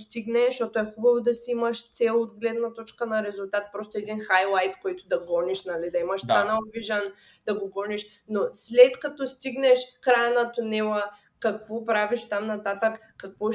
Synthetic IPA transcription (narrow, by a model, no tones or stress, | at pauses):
st̪iɡnɛʃɔt̪ʊɛxubɐvod̪ɐsiimɐʃt̪sɛlˠod̪ɡlɛd̪nɐt̪ɔt͡ʃkənɐɾɛzʊlˠt̪at̪̚pɾɔst̪oɛd̪inxajlˠajt̪kɔjt̪ʊd̪ɐɡɔniʃnɐlid̪ɐimɐʃst̪anɐlˠviʒɐn | d̪ɐɡoɡɔniʃ | noslɛt̪kɐt̪ɔst̪iɡnɛʃkɾajɐnɐt̪ʊnɛlˠə | kɐkvɔpɾaviʃt̪amnɐt̪at̪əkːɐkvɔ